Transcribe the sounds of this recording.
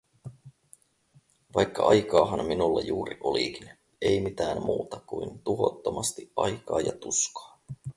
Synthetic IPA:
ʋɑjkːɑʔɑjkɑːɦɑnminulːɑ̰juːɾiʔo̞likin | ejmit̪æːmmuːt̪ɑkuint̪uɦo̞̰t̪ːomɑst̪iʔɑjkɑːjɑt̪uskɑ̥ː

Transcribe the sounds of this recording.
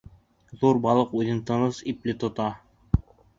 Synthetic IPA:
ðuɾbɑlˠɤquðɘnt̪ɤ̆nɤsiplɘt̪ŏt̪ɑ

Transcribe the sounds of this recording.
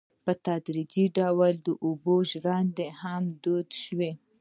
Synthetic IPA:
pət̪ɑd̪ɾid͡ʒiɖawald̪əʔuboʒɾɑnd̪ehamd̪od̪ʃwe

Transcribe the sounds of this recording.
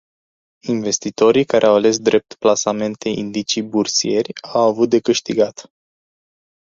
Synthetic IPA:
inve̞st̪it̪o̞ɾikaɾʔeawale̞s̬d̪ɾʔe̞p̚t̪plasame̞nt̪ʰe̞ḭnd̪it͡ʃibursie̞rʲawavut̪̚d̪e̞kɨʃt̪iɡat̪

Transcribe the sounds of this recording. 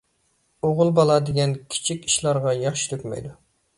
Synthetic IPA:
oʁʊlˠbɑlˠɑd̪eɡʲɛnkʲʰi̥t͡ʃʰikʲi̥ʃlˠɑɾʁɑjɑχʃi̥t̪ʰøkʲmɛ̰jd̪u

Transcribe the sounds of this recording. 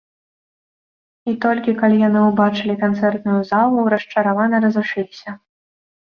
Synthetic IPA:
it̪ɔlʲkʲikalʲijanɨwbat͡ʂɨlʲikant̪sɛrt̪nujuzalˠuɾɐsʂt͡ʂɐɾavanɐɾɐzuʂɨlʲisʲɐ

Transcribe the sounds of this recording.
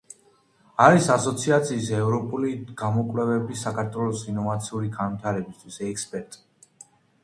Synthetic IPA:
aɾisasɔt̪sʰiat̪sʰiːsɛvɾɔpʼuliɡ̥amɔkʼvlɛvɛbisakʰaɾt̪ʰwɛlˠɔsinɔvat̪sʰiuɾiɡanvit̪ʰaɾɛbist̪ʰwisɛkspʼɛɾt̪ʼ

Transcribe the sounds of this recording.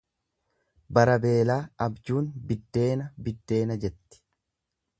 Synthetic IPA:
bɐɾɐbe̞ːlaːɐbd͡ʒuːnbɪd̪ːe̞ːnɐbɪd̪ːe̞ːnɐd͡ʒɛt̪ːɪ̥

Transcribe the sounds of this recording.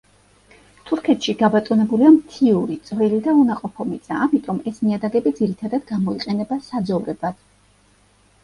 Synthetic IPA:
t̪ʰuɾkʰɛt̪ʃiɡabat̪ʼɔnɛbuliamt̪ʰiuɾit̪sʼvɛlid̪aunaqʼɔpʰɔmit̪sʰʼaːmit̪ʼɔmɛsmiad̪aɡɛbid̪ziɾit̪ʰad̪ad̪ɡamɔiqʼɛnɛbasad̪zɔvɾɛbad̪̥

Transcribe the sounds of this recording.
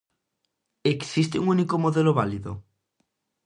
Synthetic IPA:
eksist̪euŋunikomoðeloβaliðo̰

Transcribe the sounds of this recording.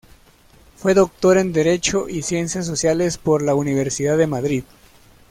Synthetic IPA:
fwe̞ðo̞k̚t̪o̞ɾe̞nd̪e̞ɾe̞t͡ʃo̞ʔisje̞nsjas̬o̞sjale̞spo̞ɾlauniβ̞e̞ɾsiðaðemaðɾið

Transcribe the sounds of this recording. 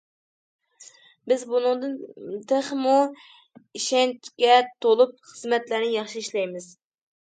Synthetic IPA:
bɪzbunɨŋd̪ɨnt̪ʰeχmu | iʃɛnt͡ʃkʲɛt̪ʰolˠup̚χəzmɛt̪læɾnɪjɑχʃiiʃlɛjmɪz̥

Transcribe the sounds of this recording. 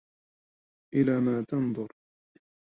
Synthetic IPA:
ʔɪlaːmaːt̪ɑnðˤʊɾ

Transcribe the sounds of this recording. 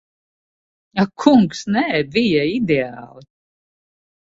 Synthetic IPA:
akʰuŋksnɛvijaid̪eaːlˠi

